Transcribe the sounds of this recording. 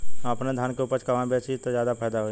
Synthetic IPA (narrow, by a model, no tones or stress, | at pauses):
ɐpned̪ʱjaːnkeuːpəɾt͡ʃʰkɐʋaːbeːt͡ʃit̪ozjaːd̪apʰɛːjd̪aɦoi